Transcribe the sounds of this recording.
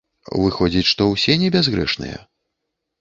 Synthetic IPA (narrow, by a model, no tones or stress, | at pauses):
vɨxɔd͡zʲit͡sʲʂt̪ɔwsʲɛnʲɛbʲazɣɾɛ̰ʂnɨ̰jɛ̰